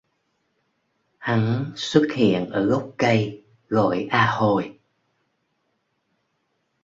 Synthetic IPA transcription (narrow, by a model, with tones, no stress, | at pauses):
ha˨˦ŋswə˦˥t̚hḭ˧˨ənʔəː˧˩ɣə˦˥wk͡p̚kə˧j | ɣɔ˧˩˨jʔaː˧ho˧˩j